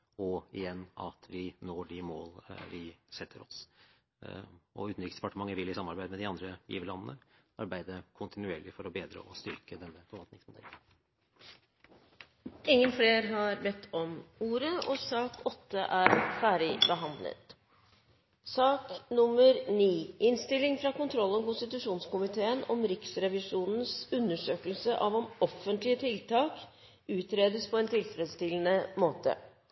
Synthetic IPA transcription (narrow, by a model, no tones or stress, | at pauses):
ɔɪjɛnːɑ̰t̪ʰʋɪnoːɖɪmoːlʋɪsɛt̪ʰːəɾɔ̰s | ɔ̰ʉːt̪n̩ɾɪksd̪̥ɛpɑʈəmɑŋːəɾʋɪlɪsɑmːɑɾbæɪd̪mɛd̪ɪɑnd̪ɾəjḭːʋəlɑnːənəɑɾbæɪd̪əkʰʊnt̪ʰɪnʉeːɭɪfɔɾɔbeːd̪ɾə̰ʔɔst̪ʏɾkəd̪ɛnːəfɔɾʋɑlt̪nɪŋsmʊd̪ɛ̰lːən | ɪŋːənfleːɾɦɑɾbɛt̪ʰːɔmuːɾəʔɔsɑːkʰɔt̪ʰːəʔæːɾfæːɖɪbəɦɑnd̪lə̰t̪ | sɑːknʊmːəɾniːɪnst̪ɪlːɪŋfɾɑkʊnt̪ʰɾɔlːɔmkʊnst̪ɪt̪ʉʂuːnskʊmɪt̪ʰeːənɔmɾɪksɾɛʋɪʂuːnn̩sʉnːəʂøːkəlsəʔɑʋɔmɔfənt̪lɪət̪ʰɪlt̪ɑːk | ʉːt̪ɾeːd̪əspʰɔɛnt̪ʰɪlfɾɛːd̪st̪ɪlənəmoːt̪ə̰